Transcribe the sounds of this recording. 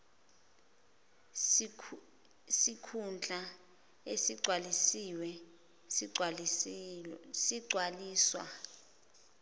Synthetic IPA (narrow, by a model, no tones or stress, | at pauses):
sikʰund͡ɮʱa | esiǀʱwalisiwɛ | siǀʱwaliːswa̰